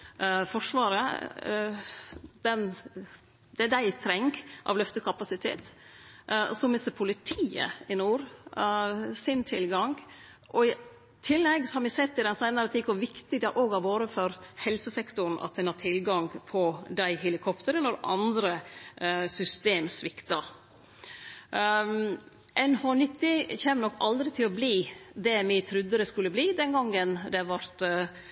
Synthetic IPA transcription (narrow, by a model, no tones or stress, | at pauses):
fɔʂʋɑːɾə | d̪̥ɛn | d̪ɛd̪æɪt̪ʰɾɛŋɡʔɑ̰ʋlœft̪əkʰɑpɑsɪt̪ʰḛːt̪ | sɔmɪsəpʰʊlɪt̪ʰiːə̰ɪnuːɾ | sɪnt̪ʰɪlɡɑŋɡ | ʔɔɪ | t̪ʰɪlːɛɡsɔhɑɾmɪsɛt̪ːɪd̪ɛnsæɪnəɾət̪ʰɪkɔʋɪkt̪ɪd̪ɛʔoːɡɑʋoːɾəfɔɾhɛlsəsɛkt̪ʊɾn̩ɑ̰t̪̚d̪ɛnhɑt̪ʰɪlɡɑŋpʰɔd̪æɪhɛlɪkʰɔpt̪əɾənɔɾɑ̰nd̪ɾə | sʏst̪eːmsʋɪkt̪ɑ | ʔɛnhoːnɪt̪ːɪçɛːmnɔkːɑld̪ɾɪt̪ʰɪlɔbliːd̪ɛmɪt̪ʰɾʉd̪ːəd̪ɛskʉlːəbliːd̪ɛnɡɑŋːənd̪ɛʋɑɾt̪